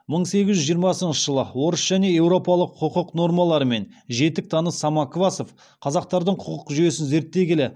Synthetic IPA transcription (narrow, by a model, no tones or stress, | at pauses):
məɴse̞ɡʲɪzʒʏʒijəɾmɑsənʃəʒəlˠə̰wo̞ɾəsʒ̥æne̞e̞wɾo̞pɑlˠəqʰʊqəqno̞ɾmɑlˠɑɾəme̞nʒe̞t̪ɪk̚t̪ʰɑnəsɑmɑkovɑso̞f | qʰɑzɑq̚t̪ɑɾd̪əɴqʰʊqəqʒʏje̞sɪnzeɾt̪ːe̞ɡʲlɪ